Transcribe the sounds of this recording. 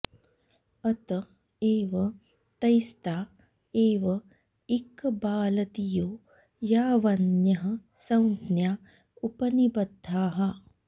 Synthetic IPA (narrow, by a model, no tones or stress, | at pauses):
ɐt̪ɐ | eːʋɐ | t̪ɐjst̪aː | eːʋɐ | ikːbaːlɐt̪ijoː | jaːʋɐnjɐɦɐ̆ | sɐwnt̪njaː | upɐnibɐd̪ʱːaːɦɐ